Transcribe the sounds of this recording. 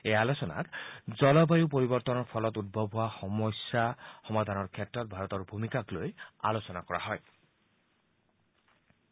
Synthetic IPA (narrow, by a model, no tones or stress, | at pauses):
ejalosɔna̰tzɔlɔbajupoɹibɔɾt̪ɔnɔɹpʰɔlɔt̪ud̪̚bʱɔbʱuaxɔmɔsaxɔmad̪ʱanɔɹkʰetɹɔt̪̚bʱaɹɔt̪ɔɹbʱumikakloja̰losɔnakɔɹa̰ɦɔj